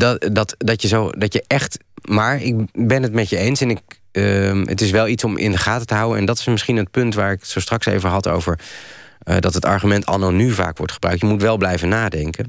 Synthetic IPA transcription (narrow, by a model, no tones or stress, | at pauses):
ddɑtdɑtjəzowdɑjəʔɛχt | maːɹɪkbɛnɦətmɛcəejnsɛnɪk̚ | ə̰tɪsʋɛlˠitsɔmʔɪ̰ndəχaːtətəɦʌwənɛ̰ndɑtɪ̥smɪsχinət̚pɵntʋaːɹɪksostrɑksḛwvəɹɦɑto̰wvəɹ | ədɑtɦətɑ̰ɹχymɛntɑ̰nonyva̰ːkʋɔ̰ɹtχəbrœ̰ɥk̚tjəmutʋɛlˠblɛjvənaːdɛŋkən